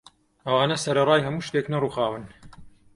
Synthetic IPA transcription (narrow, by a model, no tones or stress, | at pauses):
ʔɐwaːnɐsɐɾɐrˤɑːjhɐmuːʃt̪eːknɐruːxaːwɨn